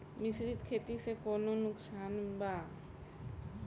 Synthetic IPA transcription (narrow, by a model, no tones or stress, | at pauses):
mɪsɾit̪kʰeːt̪isekoːnonʊksaːnbaː